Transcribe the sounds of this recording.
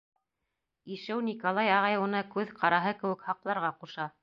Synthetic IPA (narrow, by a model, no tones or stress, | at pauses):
iʃɘwnikolˠɑjɑʁɑjwunɤkʉðqʰɑɾɑɦɤkɘ̆wɘ̆khɑqlˠɑɾʁɑquʃɑ